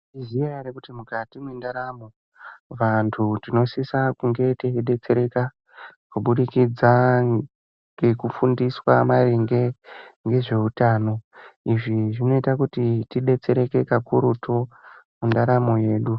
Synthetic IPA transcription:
izijajaɾekutimukatimwendaɾamo̞ | ʋantʰutino̞sisakuŋɡe̞teiɗe̞t͡se̞ɾe̞ka | kuɓuɗikid͡za | ŋɡe̞kufundiswamariŋɡeŋɡe̞ʐe̞utaːno̞iʐiʐino̞itakutitiɗe̞t͡se̞ɾe̞ke̞kakuɾutʰomundaɾamoje̞ːɗu

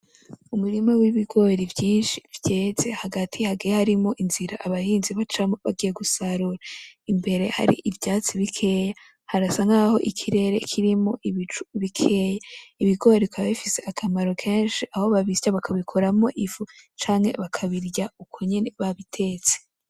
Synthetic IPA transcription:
umuɾimawiβiɡo̞ːɾivjiːnʃivɟeze̞haɡatʰihaɡijahaɾimo̞ʔinziɾaʔaβahiːnziβat͡ʃamoβa̰ɡije̞ɡusaɾuɾaimbe̞ɾe̞ha̰ɾḭʔivjaːt͡siβikʰe̞ja | haɾasaŋaːho̞ʔikʰiɾe̞ːɾe̞kʰiɾimoʔiβit͡ʃu̥βikʰejaiβiɡoːɾikwaβaβifise̞akʰamaɾo̞kʰe̞ːnʃiʔaho̞βaβisaβakʰaβikʰo̞ɾamo̞ʔivut͡ʃaːŋhe̞̰βakʰaβiɾɟaukʰoɲene̞βaβitʰe̞ːt͡se̥

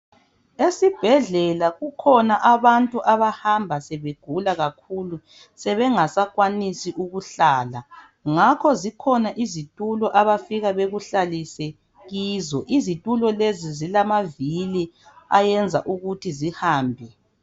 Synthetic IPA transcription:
esib̥ʱɛɮɛlaɣukʰɔnaʔaβantʼuʔaβahambʱasɛβeɡ̥ʱulaɣakʰuːlu | sɛβɛŋasaɣwanisiʔuɣuɬaːla | ŋakʰɔzikʰɔnaʔizitʼulɔʔaβafiɣaβeɣuɬalisɛ | ɣiːzɔʔizitʼulɔlezizilamaviliajɛnd͡zʱa̰ʔuɣutʰizihaːmbʱɛ

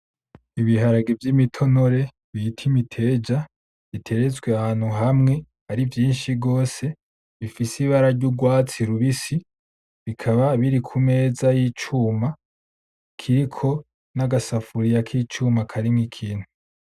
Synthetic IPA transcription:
iβiɦaɾaɡevjimitʰo̞no̞ɾe̞ | βitʰimitʰe̞ːd͡ʒa | βitʰe̞ɾet͡sɡweahaːn̥huɦamŋe̞ | aɾivjiːnʃiɡo̞ːse̞ | βifisiβaɾaɾɟuɡwaːt͡siɾuβisi | βikʰaβaβiɾikʰume̞ːzajiːt͡ʃuːma | kʰiɾikʰo̞ | naɡasafuɾijakʰiːt͡ʃuːmakʰaɾimŋikʰiːnhu

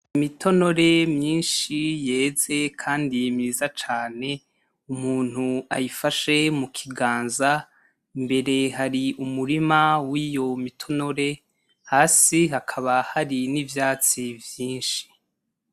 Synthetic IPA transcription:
imitʰo̞no̞ɾe̞mɲiːnʃije̞ːze̞kʰaːndijimiːzat͡ʃaːne̞ | umuːn̥hua̰jifaʃe̞mukʰiɡaːnza | mbe̞ɾe̞ɦaɾiumuɾimawijo̞mitʰo̞no̞ɾe̞ | haːsiɦakʰaβahaɾinivjaːt͡sivjiːnʃi̥

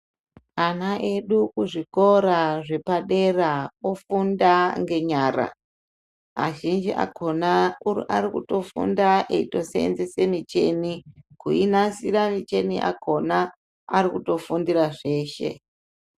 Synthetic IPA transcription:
anaʔe̞ɗukuʐiko̞ɾaʐe̞paɗe̞raofundaŋɡe̞ɲaːra̰ | a̰ʒind͡ʒiʔa̰konaurḭʔaɾikuto̞fṵndaʔeito̞sḛnzese̞mit͡ʃe̞̰nikuinasiramit͡ʃe̞nḭʔa̰kʰo̞na | aɾikuto̞fundiraʐe̞ːʃe̞̰

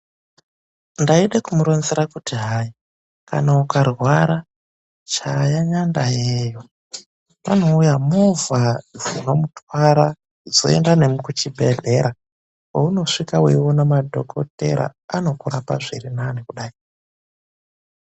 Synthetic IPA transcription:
ndaiɗekumuɾo̞nzeɾakutiɦai | ka̰naukarwaɾa | t͡ʃajaɲandajeːjo | ʋano̞ujamuvavuramutwaɾa | d͡zo̰e̞̰ndane̞mukut͡ʃibʱeɮe̞ɾa | wouno̞ʂikawḛwonamadʱo̞̰kʰo̞̰te̞̰ɾa̰ːno̞kuɾapa̰ʐiɾinanekuɗaːi

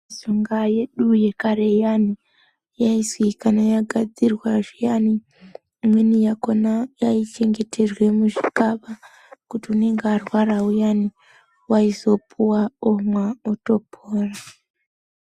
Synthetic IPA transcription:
zoŋɡaje̞ɗuje̞karejani | jaiswikanajaɡʱad͡zirwaʐijani | mwenijakonajait͡ʃe̞ŋɡe̞tʰe̞rwe̞muʐikaɓa | kutiune̞ŋɡaarwaraujani | waizo̞pʰuwaomwaoto̞pʰoːra

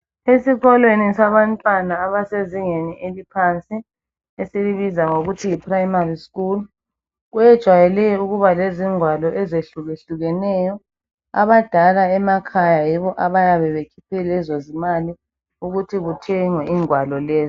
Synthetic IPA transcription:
esiɣɔlwenisaβantʼwanaːβaseziŋeniʔelipʰant͡sʼi | esiliβizaŋoɣutʰiipʰʼrajmariskul | ɣujɛd̥ʒ̥ʱwajɛlɛjɔuɣuβaleziŋwalɔʔɛzeɬuɣeɬuɣɛnɛjɔ | a̰βad̥ʱalaɛmakʰajajiβɔʔaβajaβɛβekʰipʰɛlɛzozimali | uɣutʰiɣutʰɛŋwɛʔiŋwalɔlɛːzi

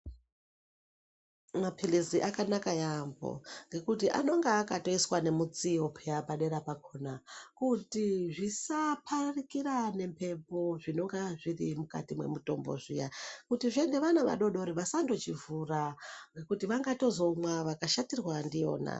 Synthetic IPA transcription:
mapʰiliziʔakanakajambo̞̰ŋɡe̞kutiʔa̰no̞ŋɡaːkato̞iswane̞mut͡siopʰeapaɗe̞ɾapakʰo̞nakutiʐisapʰarikiɾane̞mpe̞po̞ʐino̞ŋɡaʐirimuka̰timwe̞̰muto̞̰mbo̞̰ʐḭjakutiʐeŋɡeʋanaʋa̰ɗo̞ɗo̞ɾiʋasando̞t͡ʃivuraŋɡe̞kutiʋaŋɡato̞zo̞mwaʋakaʃatirɣwandijo̞̰ːna̰

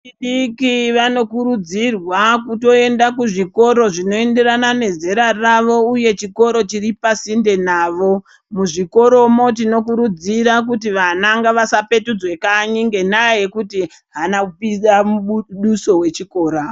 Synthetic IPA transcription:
t͡ʃiɗikiʋano̞kuɾud͡zirwakuto̞e̞ndakuʐiko̞ɾo̞ʐino̞e̞nde̞ɾanane̞ze̞ɾaraʋo̞uje̞t͡ʃiko̞ɾo̞t͡ʃiɾipasinde̞naːʋo̞ | muʐiko̞ɾo̞mo̞t̬ino̞k̬uɾud͡ziɾak̬utiʋanaŋɡaʋasape̞tud͡zwe̞kaɲiŋɡe̞naje̞kuti | ɦanaupiɗamuɗuso̞we̞t͡ʃiko̞ːɾa

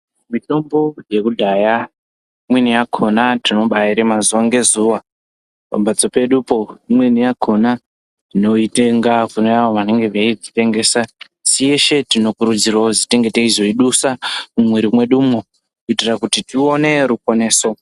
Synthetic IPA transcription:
mito̞mbo̞je̞kudʱaja | imwenijakʰo̞natino̞ɓaiɾemazuwaŋɡe̞zuwa | pa̰bʱat͡sope̞ɗupoimwenijakʰo̞na | tino̞ite̞ŋɡakunojawamane̞ŋɡe̞ʋeiɡite̞ŋɡe̞ːsa | sije̞ʃe̞tino̞kuɾud͡zirwozite̞ŋɡe̞teizoiɗusamumweɾimwe̞ɗumo | kuitirakutitione̞ɾuko̞ne̞ːso̞

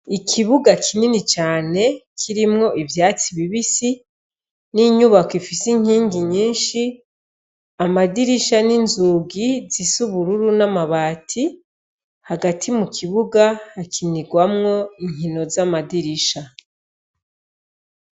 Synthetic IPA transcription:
ikʰiβuɡakʰininit͡ʃaːne̞kʰiɾimŋo̞ʔivjaːt͡siβiβisi | niɲuβakifisiŋ̥hiːŋɡiɲiːnʃi | amadiɾiʃaninzuɡizisuβuɾuɾunamaβaːtʰi | haɡatʰimukʰiβuɡahakʰiniɡwamŋo̞iŋ̥inozamadiɾiʃa

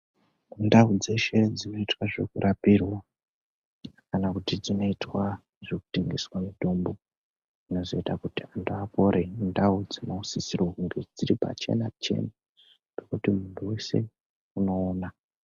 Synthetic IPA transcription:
undaud͡ze̞ʃe̞d͡zino̞itwaʐe̞kuɾʔapirwa | kanakutid͡zino̞itwa | ʐeku̥te̞ŋɡe̞swamidʱo̞mbo | ino̞zo̞itakutiantuapo̞ɾʔendaud͡zinousisirwoɦuŋɡed͡ziɾipa̰t͡ʃe̞̰nat͡ʃe̞̰na | ɡekutimuntʰuwe̞se̞̰ | uno̞ːna

